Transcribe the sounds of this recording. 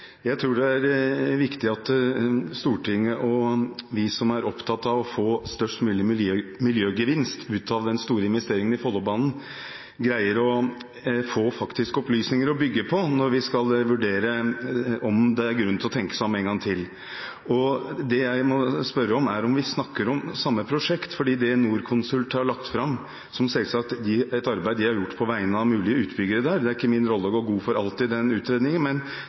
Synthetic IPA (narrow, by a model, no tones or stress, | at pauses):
jæɪt̪ʰɾuːɖɛæɾʋɪkt̪ɪɑt̪st̪uːʈʰɪŋːəʔɔʋɪsɔmæɾɔpt̪ʰɑt̪ːɑʋɔfoːst̪œʂʈmʉːlɪmɪljømɪljøːɡəʋɪnst̪ʉːt̪ʰɑʋd̪ɛnst̪uːɾəɪnʋɛst̪eːɾɪŋənɪfɔlːɔbɑːnn̩ | ɡɾæɪəɾɔ | foːfɑkt̪ɪskɔplyːsnɪŋəɾɔbʏɡːəpʰɔnɔɾʋɪskɑlʋʉɖeːɾə | ɔmd̪ɛæɾɡɾʉnːt̪ʰɔt̪ʰɛŋkə̥sæmɛnŋɡɑŋt̪ʰɪlː | ɔd̪ɛjæɪmɔspœɾːəɔmæɾɔmʋɪsnɑkːəɾɔmsɑmːəpʰɾʊʂɛkt̪fɔɖiːd̪ɛnuːɾkʰʊnsʉlt̪hɑɾɭɑkt̪fɾɑmː | sɔmsɛlsɑk̚t̪d̪ɪɛt̪ɑɾbæɪd̪ɪhɑɾjʊʈːpʰɔʋæɪənəɑʋmʉːlɪəʉːt̪bʏɡəɾəd̪æːɾd̪ɛæɾɪkːəmɪnɾɔlːəɔɡoːɾɡuːfɔɾɑlt̪ɪd̪ɛnʉːt̪ɾeːd̪nɪŋənmɛn